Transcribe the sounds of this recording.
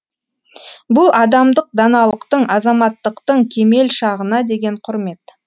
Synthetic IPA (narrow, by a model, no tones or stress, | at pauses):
bʊlˠɑd̪ɑmd̪əq̚d̪ɑnɑlˠəqt̪əɴɑzɑmɑt̪ːəqt̪əɴkʲʰe̞me̞lʃɑʁənɑd̪e̞ɡʲe̞ɴqʰʊɾme̞t̪